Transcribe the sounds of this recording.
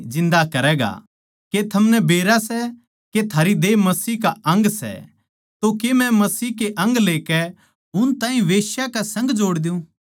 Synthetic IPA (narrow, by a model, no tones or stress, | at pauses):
d͡ʒɪ̃nd̪akɐɾɛːɡa̰ | ket̪ʰɐmnɛbeːɾasɛ | ket̪ʰaːɾid̪eːmɐsiːkaʔɐ̃ŋɡsɛ̰ | t̪okemɛ̃mɐsiːkeʔɐ̃ŋɡleːkɛ | ʊnt̪ãːĩʋeːʃjakasɐ̃ŋɡd͡ʒoːɽd̪ɪũː